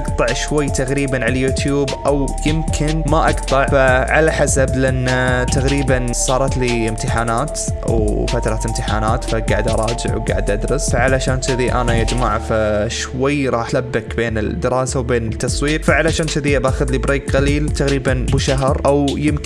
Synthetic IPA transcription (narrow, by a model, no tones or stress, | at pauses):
ʔɑqt̪ˤɑʕʃwajːt̪aɣɾiːbanʕalajuːt̪juːbʔawjɪmkʰɪnmaʔɑqt̪ˤɑʕfaʕalaħasablɪʔanːat̪aɣɾiːbansˤɑːɾˤɑt̪liɪmt̪ɪħaːnaːt̪ | wfat̪ɾˤɑt̪ɪmt̪ɪħaːnaːt̪faɡaːʕɪd̪ʔɑ̰ɾˤɑːd͡ʒɪ̰ʕwɡa̰ːʕɪd̪ʔad̪ɾˤʊsfaʕalaʃaːnt̪ɪðiʔa̰najad͡ʒmaʕfaʃ | wajːɾˤɑːħlabːakbeːnɪ̰d̪ːɪɾɑːsawbeːnɪt̪ːɑsˤwiːɾfaʕalaʃaːnt̪ɪðiʔabaxʊðlibɾeːkqaliːlt̪aɣɾiːbanbɪʃaɦɾˤʔawjɪmk